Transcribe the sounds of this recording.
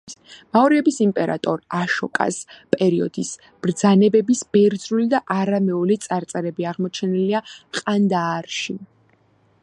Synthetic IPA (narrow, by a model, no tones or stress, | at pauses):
maɔɾiɛbisimpʼɛɾa̰t̪ʼɔɾaʃɔkʼa̰spʼɛɾiɔd̪is | b̥ɾd̪zanɛbɛbisb̥ɛɾd̪zɾulid̪aʔaɾamɛɔlit̪sʼaɾt̪sʼɛɾɛbiaʁmɔt͡ʃʰɛniliaqʼand̪aːɾʃi